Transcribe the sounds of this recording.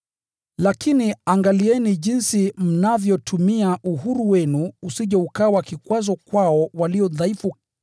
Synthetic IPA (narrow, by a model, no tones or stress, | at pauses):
lakiniaŋɡaliɛniʄinsim̩navjɔtʰumiaʔuɦuɾuwɛnuːsiʄɛukawakikwazɔkwaɔwaliɔðaifu